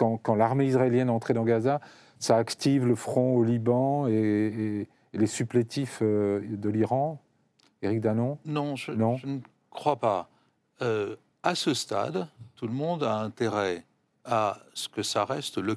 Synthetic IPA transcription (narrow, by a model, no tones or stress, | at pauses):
kɑ̃kɑ̃laʁmeisʁaeljɛnɑ̃t̪χed̪ɑ̃ɡaza | saːkt̪ivləfχɔ̃olibɑ̃eː | lesyplet̪ifød̪əliʁɑ̃ | eʁik̚d̪anɔ̃nɔ̃ʒənɔ̃ʒənə | kχwapa | ø | asəst̪a̰d̪t̪uləmɔ̃d̪aɛ̃t̪eʁɛ | asə̥kəsaʁɛst̪lə